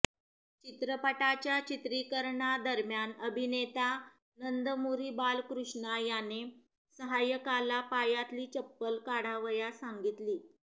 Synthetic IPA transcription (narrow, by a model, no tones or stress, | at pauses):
t͡ɕit̪ɾəpəʈat͡ɕjat͡ɕit̪ɾikəɾɳad̪əɾmjanəbʱinet̪a | nənd̪əmuɾiːbalkɾuʂɳajane | səɦajəkalapajat̪liːt͡ɕəpːəlkaɽ̤aʋəjasaŋɡit̪liː